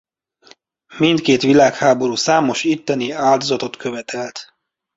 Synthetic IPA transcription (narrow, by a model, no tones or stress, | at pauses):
mint̪keːt̪ʋilaːkhaːbo̞ɾuːsaːmo̞ʃit̪ːɛniaːld̪o̞zɒt̪o̞t̪kʰøvɛt̪ʰɛlt̪